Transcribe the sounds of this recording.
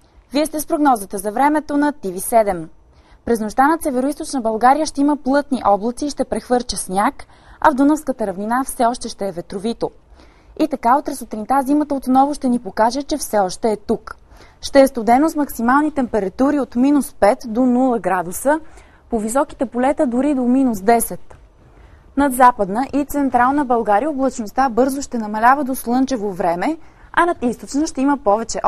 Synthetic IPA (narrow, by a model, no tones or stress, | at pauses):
viɛst̪ɛspɾoɡnɔzət̪əzɐvɾɛmɛt̪onɐt̪ivisɛd̪ɛm | pɾɛznoʃt̪anɐsɛvɛɾoist̪ot͡ʃnəbɐlˠɡaɾijəʃt̪ɛiməplˠɤt̪niʔɔblˠət̪siːʃt̪ɛpɾɛxvɤɾt͡ʃəsnʲak | ɐ̰vd̪unəfskət̪əɾɐvninafsɛɔʃt̪ɛʃt̪ɛːvɛt̪ɾovit̪o | it̪ɐkaot̪ɾɐsot̪ɾint̪azimət̪əot̪nɔvoʃt̪ɛnipokaʒɛt͡ʃɛfsɛɔʃt̪ɛːt̪uk | ʃt̪ɛːst̪od̪ɛnosmɐksimalˠnit̪ɛmpɛɾɐt̪uɾiot̪minuspɛt̪d̪onulˠəɡɾad̪usə | povisɔki̥t̪ɛpolɛt̪əd̪ʊɾid̪ominusd̪ɛsɛt̪ | nɐd̪zapəd̪nəʔit̪sɛnt̪ɾalˠnəbɐlˠɡaɾijəoblˠɐt͡ʃnost̪abɤɾzʊʃt̪ɛnɐmɐlʲavəd̪oslˠɤnt͡ʃɛvovɾɛmɛɐnɐt̪ist̪ot͡ʃnəʃt̪ɛiməpɔvɛt͡ʃɛʔ